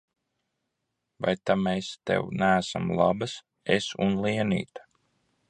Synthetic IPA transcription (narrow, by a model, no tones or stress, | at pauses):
va̰jt̪amest̪ḛwnæːsa̰mlˠabɨs | esunlˠiɛnḭːt̪ḁ